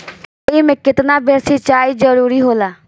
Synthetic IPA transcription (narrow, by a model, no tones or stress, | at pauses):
oimɛ̃ːkɪt̪nabʱeɾsɪt͡ʃaːid͡ʒəɾuːɾiɦoːlaː